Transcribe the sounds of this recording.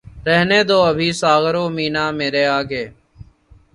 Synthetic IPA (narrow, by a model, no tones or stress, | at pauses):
ɾɛɦneːd̪oːəbʱiːsaːɣɾoːmiːnaːmeːɾeːaːɡeː